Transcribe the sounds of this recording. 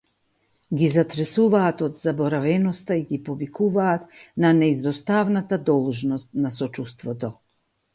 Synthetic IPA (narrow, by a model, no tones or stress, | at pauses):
ɡizat̪ɾɛsuvaːt̪ɔd̪zabɔɾavɛnɔst̪aiɡipɔvikuvaːt̪nanɛizd̪ɔst̪avnat̪ad̪ɔlˠʒnɔst̪nasɔt͡ʃust̪vɔt̪ɔ